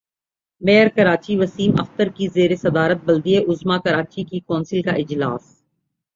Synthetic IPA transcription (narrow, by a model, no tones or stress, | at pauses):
meːəɾkɐɾaːt͡ʃiʋɐsiːmɐ̰xt̪əɾkizeːɾesɐd̪aːɾət̪̚bɐld̪ieʔʊzmakɐɾaːt͡ʃikikɔ̃ːnsɪlkaʔɪd͡ʒlaːs